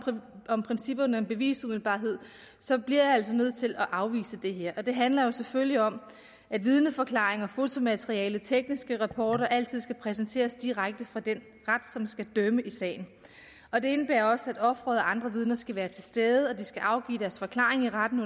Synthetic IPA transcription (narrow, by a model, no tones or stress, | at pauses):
ɒmpʰʁɛnsib̥ɐnɒnb̥e̝ʋḭːsumið̩ˠb̥ɑ̰̈ːɦe̝ð̞̰ˠ | sɒ̽b̥liɐjiæl̰sɒ̽nøð̰ˠt͡sʰe̝lɒʔɑ̈ʊʋḭːsəd̥e̝ɦeɐ̰ʔɒ̽d̥e̝ɦænlɐjo̝seføljiɒ̽m | ʔæd̥ʋið̞ˠnəfɒ̽kʰlɑ̰̈ːeŋɐfo̝t͡sʰo̝mæt͡sʰeʁiɛːlət͡sʰeɡ̥nisɡ̥əʁɑpʰɒːɾɐʔæl̰t͡sʰið̞̰ˠsɡ̥æpʰʁɛs̬ent͡sʰe̝̰ːɐsd̥iʁaɡ̥̚d̥əfʁɑ̈d̥en | ʁad̥sɒ̽msɡ̥æd̥øməʔisɛ̰ːɪn̩ | ɒ̽d̥e̝e̝nəb̥æːɐɒ̽səæd̥ɒ̽fʁɒðˠɒʔɑ̈nd̥ʁɐʋið̞ˠnɐsɡ̥æʋæːɐt͡sʰe̝lsd̥eːðˠəɒ̽d̥isɡ̥æʔɑ̈ʊɡ̥ḭːd̥æɐsfɒ̽kʰlɑ̰̈ːe̝ŋiʁad̥n̩